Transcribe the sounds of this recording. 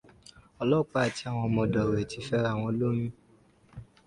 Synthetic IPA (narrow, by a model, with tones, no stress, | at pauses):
ɔ˧lɔ˦k͡pa˦˨ti˦a˦˨w̃ɔ̃˧mõ˧˨dɔ˨ɾe˨ti˨˧fɛ˦ɾa˦˨w̃ɔ̃˧lo˦mĩ˦